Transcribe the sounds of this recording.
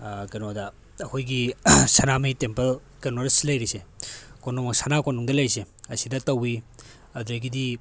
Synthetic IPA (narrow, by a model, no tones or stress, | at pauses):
kenodɐ | ɐkʰojɡisanamɐjtempɐl | kenodɐsilɐjɾisekonuŋmɐsanakonuŋdɐlɐjseɐsidɐtɐwi | ɐdɾɐɡidi